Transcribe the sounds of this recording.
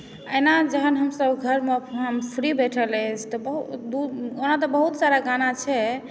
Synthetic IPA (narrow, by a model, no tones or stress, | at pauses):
əɪnad͡ʒəɦənɦəmsəbɡʱəɾmeəmpʰɾibeʈʰələt͡ʃʰt̪ɔbəɦud̪uonat̪ɔbəɦut̪saɾaɡanat͡ʃʰɛ